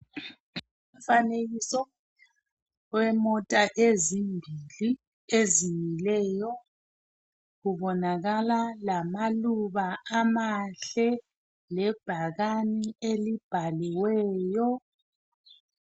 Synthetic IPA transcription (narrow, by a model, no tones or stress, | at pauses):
umfaneɣisɔ | wɛmɔtʼaʔezimbʱili | ezijilɛːjɔ | ɣuβɔnaɣalalamaluβaamaɬɛ | lɛb̥ʱaɣanielib̥ʱaliwɛːjɔ